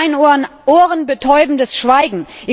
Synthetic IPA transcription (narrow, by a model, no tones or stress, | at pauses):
ɪnonʔoːʁənbətʰɔʏbm̩dəsʃv̥aɪɡŋ̩ʔɪ